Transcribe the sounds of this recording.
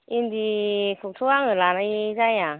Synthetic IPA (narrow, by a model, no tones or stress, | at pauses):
indikʰuk̚tʰuaŋɯlanajzaja